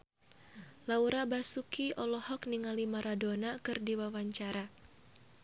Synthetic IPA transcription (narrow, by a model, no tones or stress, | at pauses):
lauɾabasukiʔɔlɔhɔkniŋalimaɾadonakɨrdiwawaɲt͡ʃaɾa